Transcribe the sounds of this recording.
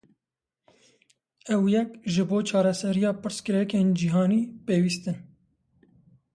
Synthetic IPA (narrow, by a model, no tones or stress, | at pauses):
ɛwjɛkʒɨboːt͡ʃʰɑːɾɛsɛɾijɑːpɨɾskɨɾɛkeːnd͡ʒiɦɑːniːpeːwiːst̪ɨn